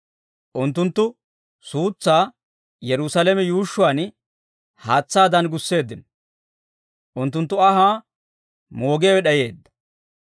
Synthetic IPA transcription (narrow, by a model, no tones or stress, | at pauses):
ʔʊnt̪ːʊnt̪ːʊ | suːt͡sːaː | jɛɾʊsɐlɛmɛjuːʃːʊaːn | haːt͡sːaːd̪ɐnɡʊsːe̞ːd̪ːɪnɔ | ʔʊnt̪ːʊnt̪ːʊɐɦaː | moːɡeːwɛɗɐje̞ːd̪ːɐ̥